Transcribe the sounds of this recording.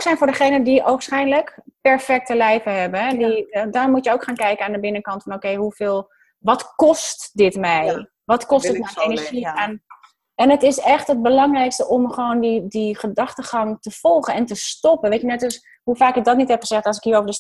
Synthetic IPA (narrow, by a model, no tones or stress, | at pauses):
oksɛjnfʊːɹdəχejnədiʔofsχɛjnləkpɛɹfɛk̚təlɛjvəɦɛbəɦɛdidɔmutjəoːwkχaːnkɛjkəaːndəbɪnəkɑntfɔnokejɦufeːlˠ | ʋɔtkɔstdɪtmɛj | ʋɔtkɔstətmenəʒian | ɛnətɪsɛχtɦət̚bəlɑŋrɛjkstəʔɔmχəʋoːndidiχədɑχtəχɑŋtəfɔlˠχənɛntəstɔpəʋetjənɛtɔs | hufaːkɪk̚dɔtnitɦɛpχəz̥ɛχtɔs̬ɪ̥kɦiːɹoːvɹdə